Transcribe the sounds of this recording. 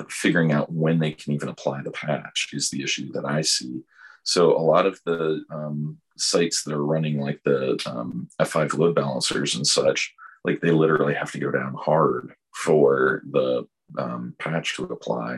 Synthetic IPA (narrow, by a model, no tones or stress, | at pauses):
fɪɡjə˞ɪ̃ŋaʊt̚wɨ̃nðeɪkʰnivɨ̃nəpʰl̥aɪðəpʰæ̰t͡ʃɨzðiɪʃʉðɨɾaɪsi | soʊʔə̰lɔɾʌvðəʌ̃m | saɪtsðəɾə˞ɹʌnɪ̃ŋlaɪk̚ðiʌ̰̃mɛfaɪvloʊd̚bælˠə̰̃nsə̰˞zɨ̃nsʌ̰t͡ʃlʔa̰ɪk̚ðeɪlɪɾə˞l̩ˠihæftɨɡoʊɾã̰ʊ̃nhɑɹd̥ | fə˞ðə | ʌ̃mpʰæt͡ʃtʰəəpʰl̥a̰ɪ